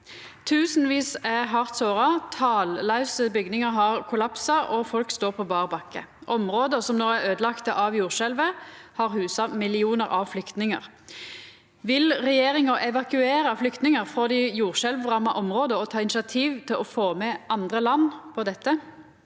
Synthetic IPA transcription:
t̪ʰʉːsn̩ʋiːsɛɦɑʁt̪soːʁɑt̪ʰɑːllɑʉsəbʏɡnɪŋəɦɑʁkʰʊlɑpsɑʔɔfɔlkst̪oːʁpʰɔbɑːʁbɑkːə̰ʔɔmʁoːd̪əsɔmnoːæʁøːd̪əlɑkt̪əʔɑʋjuːʁʃɛlʋəhɑʁhʉːsɑmɪlɪuːnəʁʔɑʋflʏkt̪nɪŋə̰ʁ | ʋɪlʁɛjeːɾɪŋɑʔɛʋɑkʉeːɾɑflʏkt̪nɪŋəʁfʁɔd̪ɪjuːʁʃɛlʋʁɑmːɑʔɔmʁoːd̪əɔt̪ʰɑːɪnɪsɑt̪ʰiːʋt̪ʰɪlʔɔfoːmɛʔɑnd̪ʁəlɑnːpʰɔd̪ɛt̪ːə

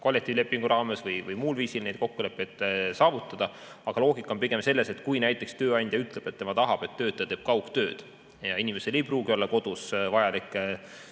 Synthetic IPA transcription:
ko̞lːek̚t̪ˑiːvile̞pːˑiŋɡ̥uɾɑːme̞svɯjvɯjmuːlviːsilne̞jd̪̥̚ko̞kːule̞pːˑejd̪̥sɑːvut̪ːˑɑd̪̥ɑɑɡ̥ɑlo̞ːɡ̥ikːˑɑonpiɡ̥e̞mse̞lːe̞se̞t̪kujnæjt̪ːˑe̞kst̪ø̞ːɑɲnʲd̪̥ʲjɑyt̪ˑleb̥e̞t̪ːe̞mɑt̪ɑɦɑb̥e̞t̪ːø̞ːt̪ːˑet̪e̞ːb̥̚kɑwkt̪ø̞ːd̪̥ | jɑinime̞se̞le̞jpruːɡ̥io̞lːɑko̞d̪̥usvɑjɑlikːˑ

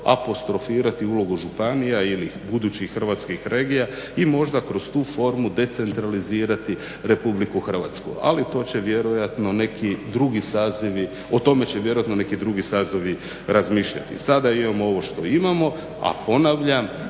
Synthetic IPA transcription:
a̰po̞st̪ɾo̞fiːɾat̪iulo̞ɡuʒupanijailibud̪uːt͡ɕixxr̩ʋat̪skixɾe̞ːɡijaimo̞ʒd̪akɾo̞st̪uːfo̞ɾmud̪e̞t̪se̞nt̪ɾaliziːɾat̪i | ɾe̞publikuxr̩ʋa̰t̪skṵa̰lit̪o̞ːt͡ɕe̞ʋje̞ɾojat̪no̞ne̞kid̪ɾuɡisaːziʋi | o̞t̪o̞me̞t͡ɕeʋje̞ɾojat̪no̞ne̞kid̪ɾuɡisaːziʋi | ɾazmiːʃʎa̰t̪ḭsad̪aimamoo̞ʋo̞ʃt̪o̞imamo̞ | a̰po̞naʋʎam

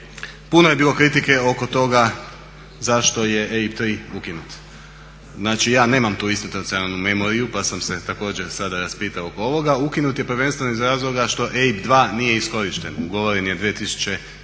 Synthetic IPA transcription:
punoje̞biːlˠo̞kɾit̪ike̞oko̞t̪o̞ɡa | zaʃt̪o̞je̞ʔeip̚t̪ɾiːukinut̪ | znaːt͡ʃijaːne̞ːmamt̪uːist̪ot̪ot̪sionalˠnume̞mo̞ɾijupasamse̞t̪ako̞ːd͡ʑeɾsad̪aɾaspiːt̪aoo̞koo̞ʋo̞ɡaukinut̪je̞pɾʋe̞nst̪ʋenoizɾaːzlˠo̞ɡaʃt̪o̞ʔeipd̪ʋaːnije̞isko̞ɾiʃt̪e̞nuɡo̞ʋoɾenijed̪ʋiet̪isu̥t͡ɕe̞

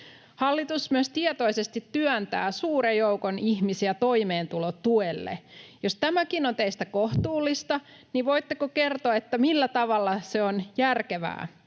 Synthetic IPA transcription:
hɑlːit̪usmyøst̪iɛt̪oisest̪it̪ːyœnt̪æ̰ːsuːɾejjoukoniçmisiæt̪o̞imeːnt̪ulott̪uelːḛjost̪æmækinont̪eist̪ækoht̪uːlːist̪ɑ | niʋoit̪ːekoke̞rt̪oɑet̪ːæmilːæt̪ɑʋɑlːɑseonjærkeʋæ̰ː

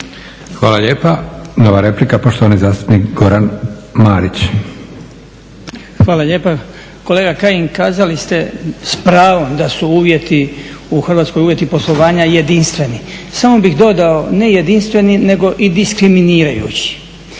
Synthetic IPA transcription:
xʋaːlaʎeːpanoʋaɾe̞plikapoʃt̪oʋanizaːst̪u̥pnikɡoɾanmaːɾit͡ɕ | xʋaːlaʎeːpa | ko̞leːɡakajiŋkaːzalist̪e̞spɾaːʋo̞md̪asuuːʋje̞t̪iuxrʋat̪sko̞juːje̞t̪ipo̞slˠo̞ʋaːɲaje̞d̪inst̪ʋe̞nisamo̞bixd̪o̞d̪ao̞ne̞je̞d̪inst̪ʋe̞nine̞ɡo̞ʔid̪iskɾiminiːɾajṵːt͡ɕi̥

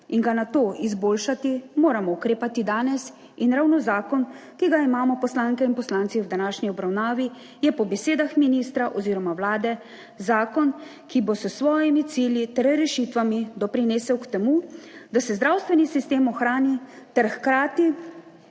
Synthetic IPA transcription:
inɡanat̪oːʔizboːlʃat̪imoːɾamɔukɾeːpat̪id̪aːnɛs | inɾawnɔzaːkɔnkiɡaimaːmɔpɔslaːŋkɛinpɔslant̪siwd̪anaːʃniɔbɾawnaːʋi | jɛpɔbɛseːd̪axminiːst̪ɾaʔɔziːɾɔmawlaːd̪ɛ | zaːkɔn | kibosəsʋɔːjimit̪siːljit̪ɛɾɛɾɛʃit̪ʋamid̪ɔpɾineːsɛwkt̪ɛmud̪asɛzd̪ɾaːwst̪ʋɛnisist̪eːmɔxɾaːnit̪ɛɾxkɾaːt̪i

